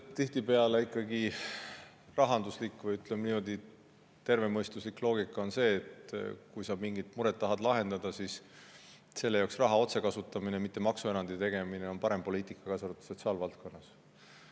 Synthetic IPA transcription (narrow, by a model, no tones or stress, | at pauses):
t̪ːiht̪ipe̞ɑleikːˑɑɡi | rɑɦɑnd̪uslikːˑvɤjyt̪lemniːmo̞d̪̥i | t̪e̞rve̞mɤjst̪uslikːlo̞ːɡikːˑɑo̞nse̞ːt̪kujsɑmiŋɡit̪muɾet̪ːɑɦɑd̪lɑɦe̞nd̪̥ɑd̪̥ɑsis | se̞lːejoksrɑɦɑo̞t̪se̞kɑsut̪ːˑɑminemit̪ːe̞mɑksue̞ɾɑnd̪it̪e̞ɡ̥e̞mine̞o̞npɑɾe̞mpo̞liːt̪ˑikːˑɑkɑsoɾut̪ːu̥so̞t̪siɑːlvɑlt̪̚ko̞nːɑs